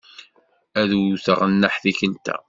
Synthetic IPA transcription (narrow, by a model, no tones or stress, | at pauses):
æðuθəʁənːəħθiçənt̪æ̰